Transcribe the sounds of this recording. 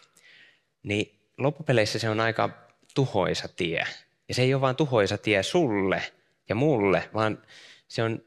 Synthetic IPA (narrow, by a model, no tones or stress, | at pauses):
ni | lopːupeleisːæseonɑikɑ̰ | t̪uho̰isɑt̪iæ̰ | jɑseijoʋʋɑːnt̪uhoisɑt̪iæsulːe | jɑmulːeʋɑːnseon